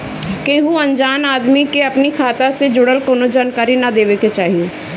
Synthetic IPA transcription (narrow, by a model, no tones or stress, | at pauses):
keɦuɐ̃ɲd͡ʒaːnaːd̪mikeɐpnikʰaːt̪ased͡ʒʊɽəlkoːnod͡ʒaːnkaːɾinɐd̪eːʋeket͡ʃaːɦieː